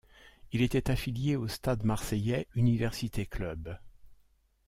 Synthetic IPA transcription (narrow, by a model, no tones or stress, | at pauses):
ilet̪ɛt̪afiljeost̪ad̪maʁsɛjɛynivɛʁsit̪ʰeklœb